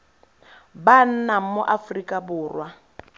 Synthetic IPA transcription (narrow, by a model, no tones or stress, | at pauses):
ban̩nam̩mʊʔafrikʼabʊːrwa